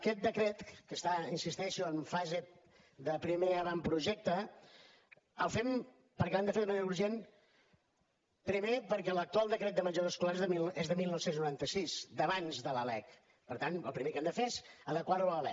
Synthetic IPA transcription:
kɛt̪̚d̪əkɾɛt̪kəst̪ainsist̪ɛʃuəɱfaze | ðəpɾimeəβampɾuʒɛk̚t̪ə | əlˠfɛm | pəɾkɛamd̪əfeɾðuməneɾəuɾʒen | pɾimepəɾkɛlək̚t̪ualˠd̪əkɾɛt̪̚d̪əməd͡ʒəðoskulaɾezðəilˠezðəmilˠnɔwsenznuɾant̪əsizd̪əβanzðələlɛk | pəɾt̪anəlˠpɾimekɛmd̪əfesəðəkwaɾuəlɛ̰k̚

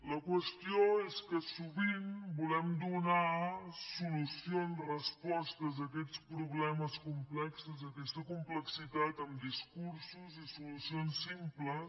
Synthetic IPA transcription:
ləkwəst̪ioeskəsuβiŋbulɛmd̪unasulusionsrəspɔst̪əzəkɛt͡spɾuβlɛməskumplɛksəzəkɛst̪əkumpləksit̪at̪əmd̪iskuɾsuzisulusionsːimplə

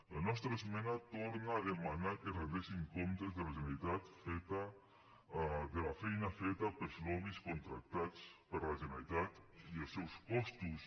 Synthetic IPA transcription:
lanɔst̪ɾəzmɛnat̪oɾnaːðemanakerend̪esiŋkomt̪ezðəlaʒenalit̪at̪fet̪ə | ðəlafɛjnafet̪əpəlzlɔmiskont̪ɾa̰k̚t̪at͡spəɾlaʒenalit̪at̪iəlˠsɛwspɔst̪us

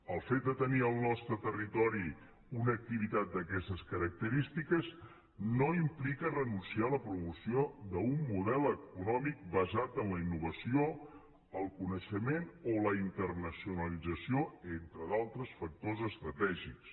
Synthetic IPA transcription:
əlˠfet̪̚d̪ət̪əniəlˠnɔst̪ɾət̪ərit̪ɔɾi | unək̚t̪iβit̪at̪̚d̪əkɛst̪əskəɾək̚t̪əɾist̪ikəz | noimplikərənunsialəpɾumusiod̪əumːuðɛləkunɔmik̚bəzat̪ənləinːuβəsio | əlˠkunəʃəmenoləint̪ərnəsiunəlid͡zəsioent̪ɾəðalˠt̪ɾəsfək̚t̪ozəst̪ɾət̪ɛʒiks

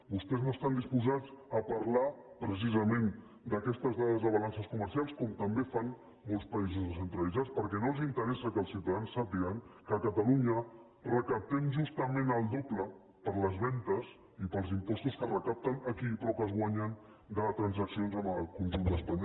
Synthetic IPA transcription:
bust̪ɛznoəst̪and̪ispuzat͡səpɐɾla | pɾəs̬izəmen | d̪əkɛst̪əzðaðəzðəβɐlansəskuməɾsialˠskɔmt̪əmbefan | molˠspəizuzðəsənt̪ɾəlid͡zat͡spəɾkɛnolˠzint̪əɾɛsəkəlˠsiwt̪aðansːəpiəŋkəkət̪əluɲə | rəkəp̚t̪ɛmʒust̪əmẽnəlˠd̪oblə | pəɾləzβɛnt̪əz | ipəlˠzimpɔst̪uskərəkap̚t̪ənəkiːpɾɔpəzɣwaɲən | d̪ət̪ɾənzəksionzəməlˠkunʒund̪əspaɲ

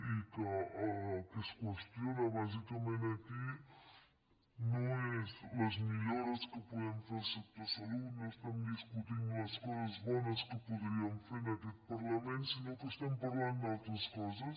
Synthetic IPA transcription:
ikə | kəskwəst̪jonəβazikəmẽnɐki | nõezləzmiʎoɾəskəpuðɛmfeɾsɛk̚t̪əsɐlunost̪ɛmd̪iskut̪inləskɔzəzβɔnəskəpuðɾiəmfeɾnɐkɛt̪̚pɐɾləmẽnsinokəst̪ɛmpɐɾland̪alˠt̪ɾəskɔzəs

